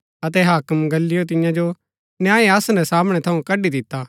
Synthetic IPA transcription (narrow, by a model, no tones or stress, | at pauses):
ɐt̪̬ɛɦaːkəmɡɐlːɪjot̪̬ɪjãd͡ʒo | njãːẽɐsnɛsaːmɽ̃ɛt̪ʰɐũkɐɖid̪ɪt̪ːaː